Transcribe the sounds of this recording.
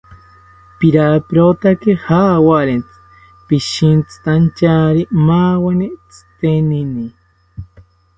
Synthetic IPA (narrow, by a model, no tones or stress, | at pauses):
piɾapiɾot̪akihaːwaɾent͡sɨ̥ | piʃint͡sɨ̥t̪ant͡ʃaɾimaːwanit͡sɨ̥t̪enini